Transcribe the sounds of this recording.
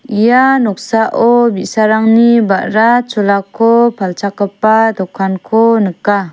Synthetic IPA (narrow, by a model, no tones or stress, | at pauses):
ijanɔk̚saʔɔbisaɾaŋnibaʔɾat͡ʃɔlakʰɔpʰalt͡ʃakːapːad̪ɔkʰːankʰonɯkːa